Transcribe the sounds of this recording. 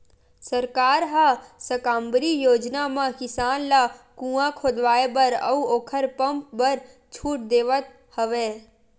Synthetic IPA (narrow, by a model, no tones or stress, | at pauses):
səɾkaːɾɦasəkãːmbəɾijoːd͡ʒnamãkɪsaːnlakũːãkʰoːd̪ʋaːebɐɾə̰uoːkʰəɾpə̃mp̚bəɾ | t͡ʃʰuːʈ̚d̪eːʋət̪̚ | həʋeː